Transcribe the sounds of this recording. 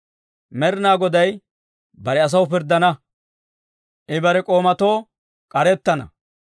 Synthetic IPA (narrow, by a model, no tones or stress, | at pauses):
mɛɾɪnaːɡɔd̪ɐj | bɐɾɛɐs̬ɐwʊpɪɾd̪ːɐnɐ | ʔɛbɐɾɛkʼo̞ːmɐt̪o̞ː | kʼɐɾɛt̪ːɐnɐ̰